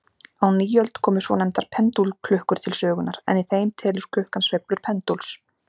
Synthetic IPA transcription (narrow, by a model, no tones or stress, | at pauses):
awniːjœlt̪kʰɔːmʏ̥svɔnɛmt̪aɾ̥pʰɛnt̪ulkʰlʏhkʏɾ̥t̪ʰɪlsœːɣʏnaɾɛ̰niθeːjmt̪ʰɛːlʏɾ̥kʰlʏhkansvejplʏɾ̥pʰɛnt̪uls